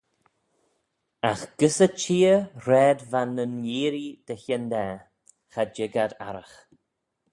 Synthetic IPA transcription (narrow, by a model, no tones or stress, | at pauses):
axɡ̥əsət͡ʃiːəɾɛːd̪vanənjiːɾid̪̥əçɛnd̪ɛː | xad͡ʒɪɡad̪a̰ɾəx